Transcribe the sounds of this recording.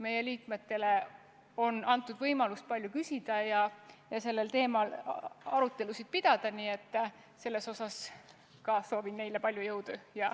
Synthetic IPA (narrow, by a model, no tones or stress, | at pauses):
me̞je̞liːkme̞t̪ːe̞le | o̞nɑnt̪ːˑud̪̥vɤjmɑlust̪̚pɑlʲjukysʲid̪̥ɑjɑjɑse̞lːe̞lt̪e̞ːmɑlɑɾut̪ːˑe̞lusid̪̥̚pid̪̥ɑd̪̥ɑniːe̞t̪ːˑ | se̞lːe̞so̞sɑs | kɑso̞ːvinːe̞jlepɑlʲjujɤwd̪̥ujɑ